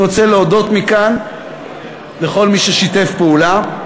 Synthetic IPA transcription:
ot͡seleodo̞t̪mikan | le̞χo̞lmiʃeʃite̞fpeula

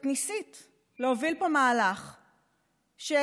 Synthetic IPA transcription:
knisit | leovilpomaːlaχ | ʃe

